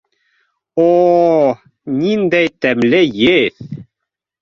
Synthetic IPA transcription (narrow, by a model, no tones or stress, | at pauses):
o | nind̪æjt̪æmlɘjɘð